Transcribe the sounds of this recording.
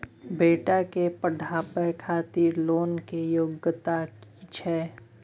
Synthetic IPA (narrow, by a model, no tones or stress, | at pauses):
beːʈakepəɖʱaːpɛkʰaːt̪iɾloːnkejoɡət̪aki̥t͡ʃʰɛː